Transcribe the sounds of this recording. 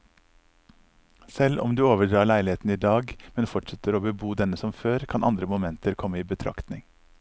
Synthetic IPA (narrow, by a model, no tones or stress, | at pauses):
sɛlɔ̰md̪ʉːoːʋəɖɾɑːɭæɪlɪheːt̪n̩iːd̪ɑːɡmɛnfɔʈʂɛt̪əɾoːbəbuːd̪ɛnəsɔmføːɾkʰɑnʔɑ̰nd̪ɾəmʊmɛnt̪əɾkʰɔmːəiːbət̪ʰɾɑ̰kt̪nɪŋ